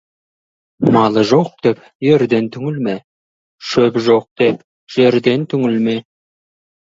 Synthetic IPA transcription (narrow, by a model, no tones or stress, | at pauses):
mɑlˠəʒoq̚d̪̥e̞p | je̞ɾd̪e̞nt̪ʰʏŋɪlme | ʃɵpʒoq̚d̪̥e̞p | ʒ̥e̞ɾd̪e̞nt̪ʰʏŋɪlme